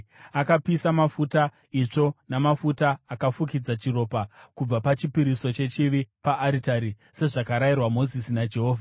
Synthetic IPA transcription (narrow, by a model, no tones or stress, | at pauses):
akapisamafuta | it͡ʂo̞namafutaːkafukid͡zat͡ʃiro̞ːpakub͡vapat͡ʃipiɾiso̞t͡ʃe̞t͡ʃiʋipaːɾitaɾi | se̞ʐakaɾairwamo̞zisinad͡ʒe̞ɦo̞ːvʱa